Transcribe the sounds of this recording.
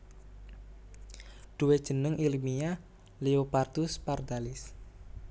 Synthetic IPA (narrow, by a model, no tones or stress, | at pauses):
ɖ̪̥uwed̥ʒ̥ə̤nəŋʔilimia | leopart̪ʊspard̪alɪs